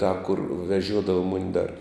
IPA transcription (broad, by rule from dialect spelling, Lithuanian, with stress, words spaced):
tɑː kʊr ʋʲɛˈʒʲuɔdɐʋɐ ˈmʊnʲɪ dɐr